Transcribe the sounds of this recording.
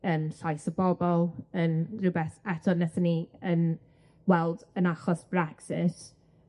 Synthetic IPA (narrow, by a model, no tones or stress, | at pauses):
ənɬajsəbɔbɔlˠənrʊbɛθɛtʰɔnɛθəniən | wɛlˠdənaχɔsb̥rɛksɪt